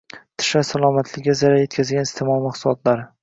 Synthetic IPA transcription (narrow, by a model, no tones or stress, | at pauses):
t̪ʰɪ̥ʃasalˠɒmat̪ʰlɪazaɾaje̞t̪kʲʰazɡʲanɪst̪ʰɪmɒlˠmaqsʊlˠɒt̪ʰlaɾɪ